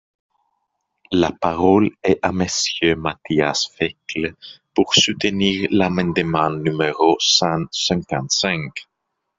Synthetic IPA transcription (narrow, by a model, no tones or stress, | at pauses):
lapaʁɔlɛʔaməsjømat̪iasfɛkləpuʁsut̪əniːʁlamɛ̃d̪əmɑ̃nymeʁosɑ̃sɛ̃kɑ̃nt̪sɛ̃k